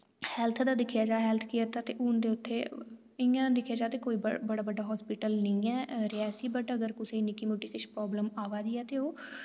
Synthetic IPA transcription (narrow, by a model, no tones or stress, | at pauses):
hɛːlt̪ʰd̪aːd̪ɪkʰjaːd͡ʒaːɦɛːlt̪ʰkɪəɾt̪aːt̪eːʔʊnd̪eːʊt̪ʰːeː | ɪjãːd̪ɪkʰjaːd͡ʒaːt̪eːkoːiːbbəɽaːbəɖaːɦɔːspiːʈəlnəĩːɛːɾɪɛːsiːbəʈəɡəɾkʊseiːnɪkiːmuːʈiːkɪʃpɾɔːbləmaːʋaːd̪iːɛːt̪eːoː